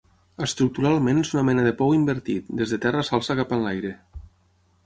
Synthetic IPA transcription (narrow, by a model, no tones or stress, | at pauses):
əst̪ɾuk̚t̪uɾalˠmenezunamɛnəðəpɔwimbəɾt̪it̪̚d̪ezðət̪ɛrəsalˠsəkapanlajɾe